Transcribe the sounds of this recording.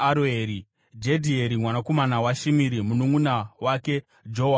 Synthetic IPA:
ɾeɾi | d͡ʒedʱieɾimwanako̞manawaʃimiɾimunuŋunawake̞ | d͡ʒoɦa

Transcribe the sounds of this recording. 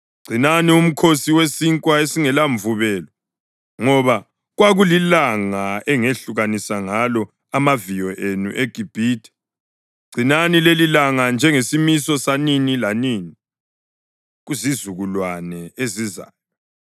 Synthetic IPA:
ɡ͡ǀʱinanium̩kʰosiwesiŋkʼwaesiŋɛlaɱvuβɛːlɔ | ŋɔβa | ɣwaɣulilaŋaɛŋeɬuɣanisaŋalɔ | amavijɔʔenṵʔeɡ̥ʱib̥ʱiːtʰʼɛ̥ | ɡ͡ǀʱinanilelilaŋand͡ʒʱɛŋesimisɔsaninilaniːni | ɣuzizuɣulwanɛeziza̰ːjɔ

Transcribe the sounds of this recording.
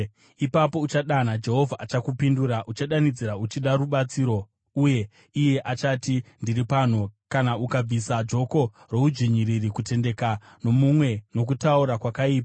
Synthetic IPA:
ipapo̞ut͡ʃaɗan̤ad͡ʒe̞ɦo̞vʱaʔat͡ʃakupinduɾaʔut͡ʃaɗanid͡ziɾaut͡ʃiɗaɾuɓat͡siːɾo̞ | uje̞ | ije̞ʔat͡ʃatindiripan̤ukanaʔukab͡visad͡ʒo̞ko̞ | ro̞ud͡ʒiɲiɾirikute̞nde̞ka | no̞mumwe̞no̞k̬utauɾakwakaiːpa

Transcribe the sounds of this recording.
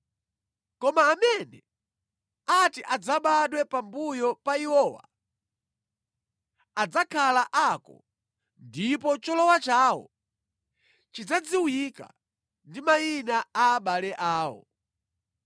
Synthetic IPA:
kɔmaːmɛnɛ | atiʔad͡zaɓaɗwɛpambujɔpaiwɔːwa̰ | ad͡zakʰalaʔakɔ̰ | ndipɔt͡ʃɔlɔwat͡ʃaːwɔ̰ | t͡ʃid͡zad͡ziwujika̰ | ndimainaaːɓalɛʔaːwɔ̰

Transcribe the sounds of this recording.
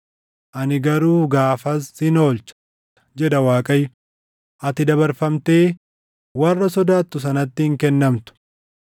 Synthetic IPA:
ʔɐnɪɡɐɾuːɡaːfɐsɪno̞ːlt͡ʃ | d͡ʒɛd̪ɐwaːkʼɐj | ʔɐt̪ɪd̪ɐbɐɾfɐmt̪e̞ː | wɐrːɐsɔd̪aːt̪ːʊs̬ɐnɐt̪ːɪhɪŋkɛnːɐmt̪ʊ̥

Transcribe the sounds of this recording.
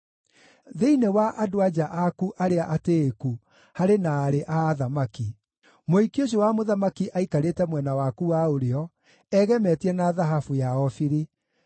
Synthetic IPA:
ðeinewaʔadoad͡ʑaʔakuʔaɾeaʔateːku | haɾenaːɾeʔaːðamaki | moikioɕ̬owamoðamakiʔaikaɾetɛmwɛnawakuwaoɾeɔ | ɛɣɛmɛtiɛnaðaɦafujaɔfiɾi

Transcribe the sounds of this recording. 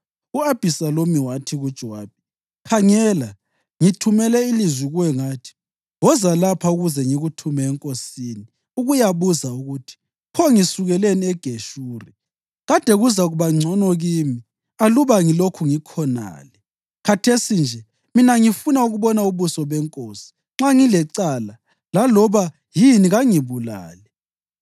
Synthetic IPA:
uab̥ʱisalomiwatʰiɣud̥ʒ̥ʱwaːb̥̚i̥ | kʰaŋɛːla | ŋitʰumɛlɛilizwiɣuwɛŋaːtʰi̥ | wɔzalapʰauɣuzɛŋiɣutʰumɛːŋkʼosini | uɣujaβuzauɣutʰi̥ | pʰɔŋisuɣɛleniɛɡ̥ʱeʃuːrɛ | ɣad̥ʱɛɣuzaɣuβaŋ͡ǀʱɔnɔɣiːmi | aluβaŋilokʰuŋikʰɔna̰ːlɛ | kʰatʰesind͡ʒʱɛ | minaŋifunauɣuβɔnauβusɔβɛŋkʼosi̥ | ŋ͡ǁaŋilɛǀala | lalɔβa | jiniɣaŋiβula̰ːlɛ

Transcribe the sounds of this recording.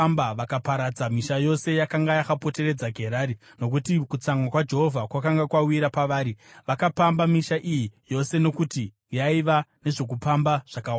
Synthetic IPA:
mbaʋakapaɾad͡zamiʃajo̞se̞jakaŋɡajaxapo̞te̞re̞d͡zaɡʱe̞ɾaːɾi | no̞k̬utikut͡samwakwad͡ʒe̞ɦo̞vʱakwakaŋɡakwawiɾapaʋaːɾiʋakapambamiʃaʔijijo̞se̞no̞kuti | jaiʋane̞ʐo̞k̬upambaʐ̥akawa

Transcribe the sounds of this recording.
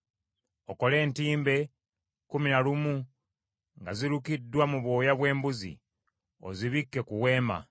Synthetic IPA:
o̞ko̞le̞ːntiːmbe̞ | kuminalumu | ŋɡaziɾukidːwamuβwo̞ːjaβwe̞ːmbuzḭ | o̞̰ziβikːe̞kuwe̞ːma̰

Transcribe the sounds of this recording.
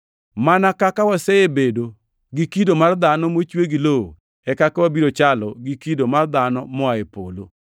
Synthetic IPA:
manakakawasɛebedo | ɡikidomard̪anɔmot͡ʃweɡiloo | ɛkakawabiɾot͡ʃalɔɡikidomard̪anɔmɔaepolo̰

